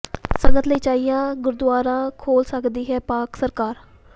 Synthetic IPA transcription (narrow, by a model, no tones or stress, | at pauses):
səŋɡət̪ləiːt͡ʃaːijãːɡʊɾd̪ʊaːɾãːkʰoːlsəkd̪iːɦɛːpaːksəɾkaːɾ